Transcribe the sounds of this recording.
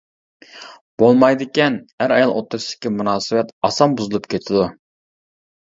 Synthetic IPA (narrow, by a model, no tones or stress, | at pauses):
b̥olˠmɑjd̪ɪkʲɛnhæɾɑjɑlˠʔot̪ːɾʊsd̪ɪ̥kʲːimunɑːsɨwɛt̪ɑsɑmbuzɨlˠupkʲʰet̪ʰɪd̪u